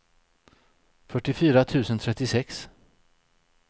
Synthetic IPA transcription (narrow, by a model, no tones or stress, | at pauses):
fœʈːɪfyːɾat̪ʰʉ̟ːsənt̪ʰɾɛt̪ːɪsɛks